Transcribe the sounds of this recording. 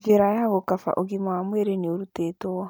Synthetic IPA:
ɡeɾajaaɣokafa̰ʔoɣimawamweɾeneoɾuteːtoɔ

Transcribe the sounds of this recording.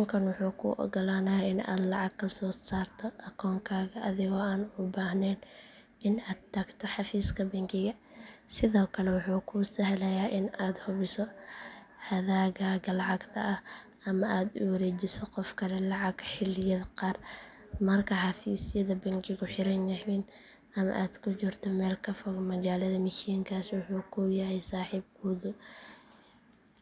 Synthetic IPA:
ʊŋkʰɐnwʊħuːkʰṵʔɔ̰ɡɔlaːnɐjaɪna̰ːd̪lɑʕɑɡkʰːɐsɔːsaːrt̪ʰɔʔɐkʰɔːŋkʰaːɣɐʔɐðɪɣɔːaːnʊbaːhnɛːn | ʔɪnaːd̪̚t̪ʰɐɡt̪ʰɔħɑfiːskʰɐbɛŋkɪɣɐsɪðɔːkʰɐlɛwʊħuːkʰuːsɐɦlɐjaːʔɪnaːd̪hʊβɪsɔ | hɐðaːɣaːɣɐlɑʕɑɡt̪ʰɐ̰ʔɐh | ɐmɐʔaːd̪ʊ̰wɐɾɛːt͡ʃɪsɔqɔfkʰɐlɛlɑʕɑɡħɪlɪjɐdqɑːr | mɐrkʰɐħɑfiːsɪjɐðɐbɐŋkʰɪɣʊħɪɾɐnːɐhɪn | ɐmɐ̰ʔaːd̪̥kʰʊt͡ʃɪrt̪ʰɔmɛːlkʰɐfɔɣmɐɣaːlɐðɐmɪʃiːŋkʰaːswʊħuːkʰuːjɐɦɛjsaːħiːb̚ɡuːðʊ

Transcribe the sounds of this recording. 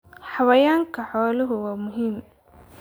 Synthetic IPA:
ħɑβɐjaːŋkʰɐħɔːlɐɦʊwaːmʊɦiːm

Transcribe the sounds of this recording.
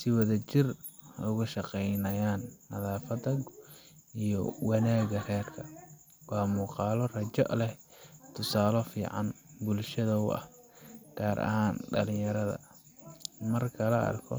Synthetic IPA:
sɪwɑðɐt͡ʃɪr | ʊɣʊʃɑqɛjnɐjaːnːɐðaːfɐd̪ɐɡʔijɔ̰wɑnaːɣɐrɛːrkʰɐ | wɑːmuːqɑːlɔrɐt͡ʃɔ̰ʔlɛ | t̪ʰʊsaːlɔfḭːʕɑ̰nbʊlʃɐðɐʊ̰ɐ̰h | ɡ̥aːɾʔɐ̰haːnɖɐ̰lɪjɐɾɐðɐ̰ | mɐrkʰɐlɐɐ̰rkʰɔ̰

